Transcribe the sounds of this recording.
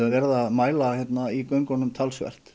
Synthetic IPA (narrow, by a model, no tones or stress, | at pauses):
avɛɾðaðmaːjlaçjɛt̪naikœŋkɔnʏmt̪ʰalsvɛ̰r̥t̪